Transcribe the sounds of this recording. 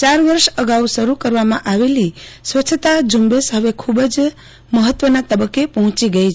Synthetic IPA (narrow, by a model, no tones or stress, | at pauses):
t͡ʃaɾʋəɾʃəɡausəɾukəɾʋamã̰ʔaʋelisʋət͡ʃʰt̪ad͡ʒumbesɦəʋekʰubəd͡ʒ | məɦət̪ʋənat̪əbəkːepəɦɔ̃t͡ʃiɡəit͡ʃ